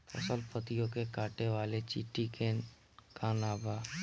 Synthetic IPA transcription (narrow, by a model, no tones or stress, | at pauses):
pə̰səlpət̪ijõkekaːʈeʋaːlet͡ʃḭʈike | kʰanaːbaː